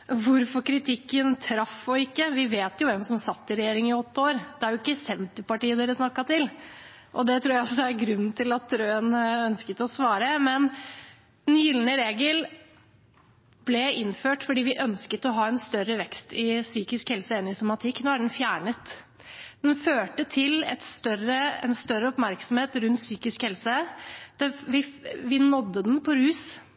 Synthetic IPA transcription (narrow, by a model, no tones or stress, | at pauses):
ʋʊɾfɔkʰɾɪt̪ʰɪkːənt̪ʰɾɑfːɔɪkːəʋɪʋeːt̪jʊʋɛmsɔmsɑt̪ːɪɾɛjeːɾɪŋɪɔt̪ːəoːɾd̪ɛæɾjʊɪkːəsɛnt̪əpɑʈiːəd̪ɛːɾəsnɑkːɑt̪ɪl | ʔɔd̪ɛt̪ʰɾuːjæɪɔsɔd̪ɛæɾɡɾʉnːn̩t̪ʰɪlɑt̪ɾøːənœnskət̪ɔsʋɑːɾəmɛn | d̪̥ɛnjʏlnəɾeːɡəl | b̥lɛɪnføːʈfɔɖiːʋɪʔœnskət̪ɔɦɑːɛnst̪œɾəʋɛkst̪ɪsyːkɪskhɛlsəɛnːɪsɔmɑt̪ʰɪkːnoːæɖɛnfjæːɳət̪ | d̪̥ɛnføːʈət̪ʰɪlɛ̰t̪st̪œɾəɛ̰nst̪œɾəɔpmæɾksɔmheːt̪ɾʉnt̪syːkɪskhɛlsəd̪̥ɛʋɪʋɪnɔd̪ːəd̪ɛnpʰɔɾʉːs